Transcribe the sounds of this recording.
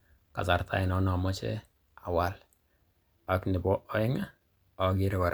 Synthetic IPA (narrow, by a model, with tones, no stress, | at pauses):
ka̰˨sa˨ɾtʰa̰˦ɪ˨nɔ˦nɔ˨mɔ˦t͡ʃɛ̰˦ | a˨wa˦l | a˦knɪ˨bɔ˦ʔɔ˦ɪ˦ŋa˦ | ɔ˨ɡɪ˦ɾkɔ˨ɾ